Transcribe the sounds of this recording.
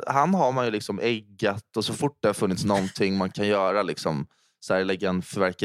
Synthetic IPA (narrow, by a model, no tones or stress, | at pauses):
hanːɦaɾmanjɵlɪksɔmʔɛɡːat̪ɔsɔfʊʈ̚ːd̪ɛhaɾfɵnːɪt̪snɔnt̪ʰɪŋːmankʰanjœːɾalɪksɔm | sæːɾlɛɡːaɛnfœɾvæɾka